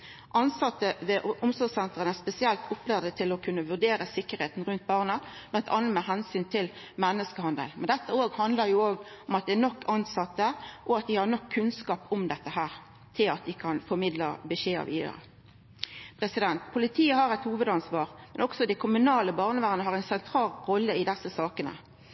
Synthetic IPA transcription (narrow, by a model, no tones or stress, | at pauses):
ʔɑnsɑt̪ːəʋɛʔʔʊmsɔsɛnt̪ʁənæspɛsɪɛlt̪ʰʊpːlæd̪ət̪ʰɪlɔkʰʉnːəʋʉʁd̪eːɾəsɪkːəʁɾheːt̪n̩ʁʉnt̪̚bɑːʁnəb̥lɑnt̪ʰɑnənmɛɦɛnsyːnt̪ʰɪl | mɛnːəskəhɑnd̪ə̰lmɛnd̪ɛt̪ːəoːɡhɑnd̪ləɾjʊoːɡɔmɑt̪̚d̪ɛænɔkʰːɑnsɑt̪ːəʔɔɑt̪̚d̪ɪhɑʁnɔkʰːʉnskɑːpʊmd̪ɛt̪ːəɦæːʁ | t̪ʰɪlɑt̪̚d̪ɪkʰɑnfɔmɪd̪ləbəʃeːɑ̰ʋḭːd̪ə̰ɾə̰ | pʰɾɛsɪd̪ɛnt̪pʰʊlɪt̪ʰiːəhɑʁæɪt̪huːʋəd̪ɑnsʋɑːʁmɛnɔksɔd̪æɪkʰʊmʉnɑːləbɑːʁnəʋæːʁnəɦɑʁæɪnsɛnt̪ʰɾɑːlʁɔlːəɪd̪ɛsːəsɑːkənə̰